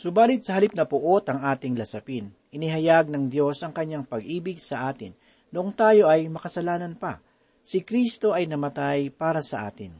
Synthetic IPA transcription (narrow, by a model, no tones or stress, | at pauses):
sʊbaːlɪt̪̚sɐhɐlip̚nɐpʊʔo̞t̪ɐŋʔaːt̪ɪŋlɐsɐpɪn | ʔɪnɪɦɐjaɡ̚nɐŋd̪jo̞sʔɐŋkɐɲːaŋpɐɡʔiːbɪɡ̚sɐʔaːt̪ɪnː | oʔoŋt̪aːjo̞ʔɐjmɐkɐsɐlaːnɐnpɐ̰ | sɪkɾist̪o̞ʔɐjnɐmɐt̪ajpaːɾɐsɐʔa̰ːt̪ɪn